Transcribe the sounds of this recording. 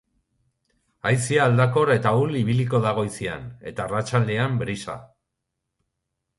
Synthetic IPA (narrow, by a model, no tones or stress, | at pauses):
ajsiaːld̪ako̞ɾe̞t̪auliβiliko̞ðaɣ̞o̞jsia̰ne̞̰t̪aːrat͡ʃald̪e̞ambɾisa̰